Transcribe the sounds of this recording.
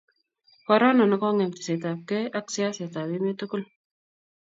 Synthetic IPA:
ka˦ɾa˦na˨nɔ˦kɔ˦ŋɛ˨mti̥˨se˨t̪a˨p̚kɛ˦ʔa˦ksɪ˦a˦se˨t̪a˨bime˦t̪uku˦l

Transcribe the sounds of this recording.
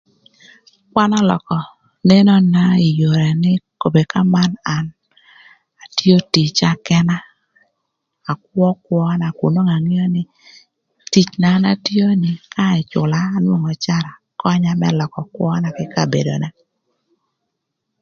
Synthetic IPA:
kwa˦nɔ˦lɔ̰˨kɔ˨ | ne˦nɔ˦na˦i˨jo˨ɾɛ˨nɪ˦ko˨be˨ka˦ma˦na˨n | a˨tjo˦ti˨t͡ʃa˨kɛ˦na˦˨ | kwɔ˦kwɔ˦na˨ku˨no˦ŋa˨ŋi˦o˦nɪ˦ | ti˨t͡ʃnaː˨˦na˨tjo˦nɪ˨ka˦ɪ˨t͡ʃʊ̰˨laː˨˦nwo˦ŋɔ˨t͡ʃa˦ɾa˨ | kɔ˦ɲa˦mɛ̰˦lɔ˨kɔ˨kwɔ˦na˨kɪ˦ka˦˨bḛ˨do̰˨na˦

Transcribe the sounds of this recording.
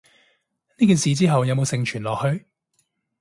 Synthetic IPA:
niː˥k̬iː˨˩nsiː˨˧t͡siː˥ɦɐ˨wjɐ˨˧wmo˨˧wsɪ˨˧ŋt͡ʃʰyː˨˩nlɔː˨k̚hɵ˧ɥ

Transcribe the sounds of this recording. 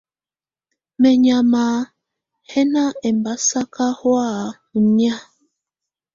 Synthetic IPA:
mɛ˨ɲa˨ma˨ | hɛ˦na˦ɛ˨mba˨˦sa˦ka˦hwa˦˨ | u˨ɲi˦a˦

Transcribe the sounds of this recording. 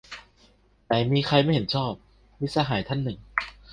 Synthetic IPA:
t̪aː˨˩˦miː˧kʰa˧jma˥˩jhe˩˦nt͡ɕʰɔː˥˩p̚ | mi˦˧˥saː˧ɦaː˩˦jt̪ʰa˥˩nːɯ˨˩ŋ

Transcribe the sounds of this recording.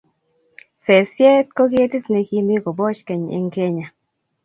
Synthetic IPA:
sɛ˨sjɛ˦tko˦kɪ˦e˦ti˦tne˨ki˦mɪ˦ko˨bɔ˦t͡ʃkɛ˨ɲḛ˨ŋke˦ɲa˨

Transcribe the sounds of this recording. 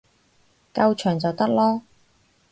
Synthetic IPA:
kɐ˧wt͡ʃʰœː˨˩ŋt͡sɐ˨wt̪ɐ˥k̚lɔː˥

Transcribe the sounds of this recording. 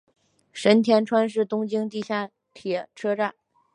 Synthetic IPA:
ʂə˧˥nt̪ʰjɛ˧˥nʈ͡ʂʰwa˥nʂ̬ɻ̩˥˩t̪ʊ˥ŋt͡ɕi˥ŋt̪i˥˧ɕja˥˩ | p̪ʰjɛ˨˩ʈ͡ʂʰɤ˥ʈ͡ʂa˥˩n

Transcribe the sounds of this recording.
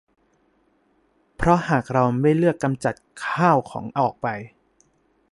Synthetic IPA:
pʰɾɔ˦˥haː˨˩k̚ɾa˧wma˥˩jlɯ˥˩əkːa˧mt͡ɕa˨˩t̪̚kʰaː˥˩wkʰɔ̰ː˩˦ŋʔɔː˨˩k̚pa˧j

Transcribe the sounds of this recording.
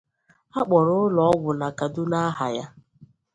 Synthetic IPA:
a˦k͡pɔ˨ɾʊ˦lɔ˨ɔ˦ɡʷʊ˨na˨ka˨dʊ˦na˦ɦa̰˨ja˦

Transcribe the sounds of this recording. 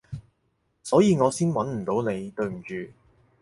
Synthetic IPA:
sɔː˨˥jiː˨˧ŋɔː˨˧siː˥nwɐ˨˥nm̩˨˩t̪o˨˧˥wne˨˧jt̪ɵ˨˧ɥm̩˨˩t͡ʃyː˨˧

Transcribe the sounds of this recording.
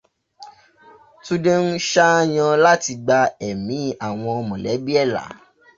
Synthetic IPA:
tũ˦de˦n̩˦ʃa˦j̃ã˧la˦ti˧ɡ͡ba˧ɛ˨mĩ˨˦a˦˨w̃ɔ̃˧ɔ˧mɔ̃˨lɛ˨˦bi˦ɛ˦˨la̰˨˦

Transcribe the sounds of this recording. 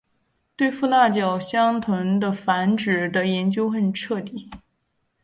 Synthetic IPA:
t̪we˥˧ɪfu˥˧t̪a˥˩t͡ɕjɑ˨˩ʊɕjɑ˥ŋt̪ʰwə˧˥ŋd̪ə˧fa˧˥nʈ͡ʂɻ̩˨˩d̪ə˦jɛ˧˥nt͡ɕjo˥ʊxə˧˩nʈ͡ʂʰɤ˥˧t̪i˥˩˦

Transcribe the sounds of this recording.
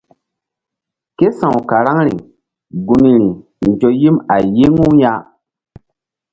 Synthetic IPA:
ke˦sã˨wka˨ɾa˦ŋɾḭ˨ | ɡu˨ni˨ɾi˨ | nd͡ʒo˨ji˦ma˨je˦ŋu˦ja˦

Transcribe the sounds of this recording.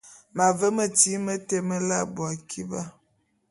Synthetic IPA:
ma˨və˦mə˨ti˦mə˦te˦mə˦la˦bwa˨kʰi˦ba˦

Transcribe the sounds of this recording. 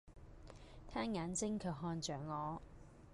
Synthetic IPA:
t̪ʰaː˥nŋaː˨˥nt͡sɪ˥ŋkʰɵ˨˧wɦɔː˧nt͡ʃœː˨˩ŋːɔː˨˧

